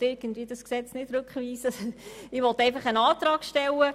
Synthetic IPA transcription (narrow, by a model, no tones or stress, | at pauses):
tɪɾɡ̥ən̩dvʋiːəd̥ɑsksɛt͡snɪd̥ɾʉkχʋiːsəɪʋɔt̪æɪfɑχənɑːt̪ɾɑːkʃtɛlə